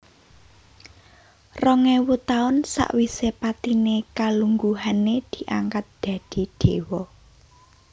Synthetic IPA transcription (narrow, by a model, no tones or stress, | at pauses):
rɔŋɛwut̪aʊnsa̰ʔwisepat̪inekaluŋɡuɦaned̪̥i̤ʔaŋkat̪̚d̪̥ä̤d̪̥i̤d̪̥e̤wɔ